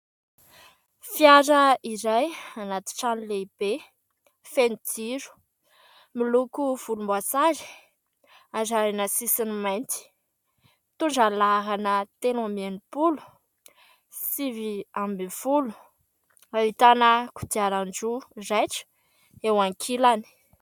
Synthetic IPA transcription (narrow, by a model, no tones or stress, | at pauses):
fiaɾəiɾajanat̪i̥ʈ͡ʂanileib̥e | fenid̪iɾu̥ | milukuv̥ulumbasaɾi̥ | azaɾinəsisinimajnt̪i̥ | t̪uɳd͡ʒalaɦanət̪enamenupulu̥ | siviambiv̥ulu̥ | ait̪anəku̥d̪iaɾand͡ʒurajʈ͡ʂə̥ | ewaŋkʰilani̥